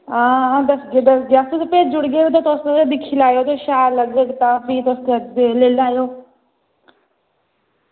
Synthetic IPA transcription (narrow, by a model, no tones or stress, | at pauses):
ãːd̪əsɡeːd̪əsɡjaːst̪ʊspeːd͡ʒd͡ʒʊɽɡeːɾot̪ãːt̪ʊsd̪ɪkʰːiːlaːjoːt̪oʃaːɾləɡəɡt̪ãːpʰiːt̪ʊst̪eəd͡ʒd̪eːleːlaːjoː